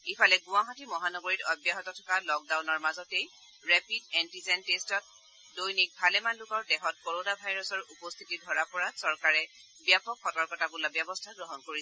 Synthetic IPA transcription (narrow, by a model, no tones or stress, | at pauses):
ipʰalɛɡʊ̃waɦatimɔɦanɔɡoɹitɔbjaɦɔtɔtʰɔ̥kalɔk̚dawnɔɹmazɔtej | ɹɛpidɛntizɛntestɔt̚ | dojnik̚bʱalɛmanlʊkɔɹdɛɦɔt̚koɹonabʱajɹɔsɔɹupɔst̪ʰitidʱɔɹapɔɹasɔɹkaɹɛ | bjapɔkʰxɔtɔɹkɔtabulabjabɔstʰaɡɹɔɦɔnkoɹisɛ